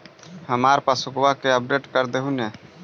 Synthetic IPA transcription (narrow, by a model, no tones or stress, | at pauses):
həmaːɾpasʊkwakeəp̚ɖeːʈkəɾd̪eɦuneː